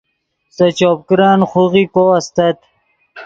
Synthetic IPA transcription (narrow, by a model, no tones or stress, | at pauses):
sɐt͡ɕoːp̚kɾɑːnχuɣikoɐst̪ɐt̪